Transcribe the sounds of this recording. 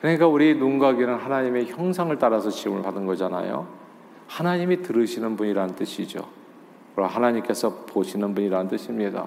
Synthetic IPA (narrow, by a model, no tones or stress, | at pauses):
kɯɾɲik͈auɾienuŋɡaɡinɯnhanaɲime̞çjʌŋsʰaŋɯɭt͈aɾasʰʌt͡ɕiumɯɭpadɯnɡʌd͡ʑana̰jo̰ | hanaɲimitɯɾɯɕʰinɯnbuɲiɾanɯnt͈ɯɕʰid͡ʑo̰ | kɯɾʌɦanaɲimk͈e̞sʰʌpoɕʰinɯnbuɲiɾanɯnt͈ɯɕʰimɲida̰